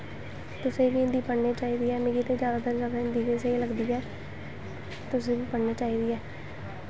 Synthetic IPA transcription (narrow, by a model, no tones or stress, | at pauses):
t̪ʊsẽːbiːɪnd̪iːpəɽneːt͡ʃaːiːd̪iːɛːmeːɡiːt̪eːd͡ʒjaːd̪aːd̪əɾd͡ʒaːd̪aɪnd̪iːkeseiləɡd̪iːɛː | t̪ʊsẽːbiːpəɽneːt͡ʃaːiːd̪iːɛː